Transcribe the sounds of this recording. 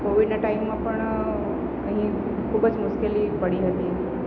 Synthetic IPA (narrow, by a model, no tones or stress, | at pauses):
koʋiɖnaʈaimːãpəɳ | əɦĩ | kʰubəd͡ʒmʊʃkelipəɽiɦət̪i